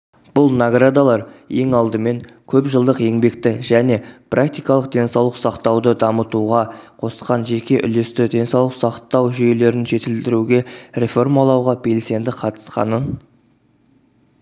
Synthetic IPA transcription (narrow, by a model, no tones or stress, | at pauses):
b̥ʊlˠnaɡrad̪alˠɑɾe̞ŋɑlˠd̪əme̞ŋ | kʲʰɵpʒəlˠd̪əqe̞ŋbe̞kt̪ɪʒæne̞prʔakt̪ijkɑlˠəqd̪e̞nsɑwlˠəqsɑqt̪ɑwd̪əd̪ɑmət̪uʁɑqʰo̞sə̥qɑnʒe̞kʲe̞ʔʏ̰le̞st̪ɪd̪ʲe̞nsɑwlˠəqsɑqt̪ɑwʒʏje̞le̞ɾɪnʒe̞t̪ɪld̪ɪɾuɡʲe̞ɾʲe̞fo̞rmɑlˠɑwʁɑbe̞lse̞nd̪ɪqʰɑt̪ə̥sqɑ̰nən